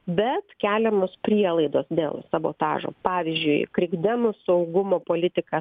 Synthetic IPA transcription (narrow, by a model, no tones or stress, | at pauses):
bʲɛt̪kʲæːlʲɛmoːspʲɾʲiɛlˠɐɪd̪oːsd̪ʲḛːlˠsɐbo̰ːt̪ɑ̰ːʒo̰ːpɑːʋʲɪzʲd͡ʒʲʊɪkɾʲɪɡd̪ʲɛmʊsɐʊɡʊmoːpoːlʲɪt̪ʲɪkɐ